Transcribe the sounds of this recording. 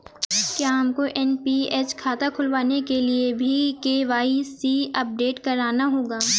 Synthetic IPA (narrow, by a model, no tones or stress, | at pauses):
kjaːɦɐmkoʔɛnpiɛːt͡ʃkʰaːt̪akʰʊlʋaːnekeliebʱikeːʋaːisiɐp̚ɖeːʈkɐɾaːnaɦoːɡaː